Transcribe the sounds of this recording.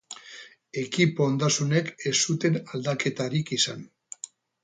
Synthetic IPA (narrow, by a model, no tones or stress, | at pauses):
e̞kipond̪asune̞ke̞sut̪e̞nald̪ake̞t̪aɾikisan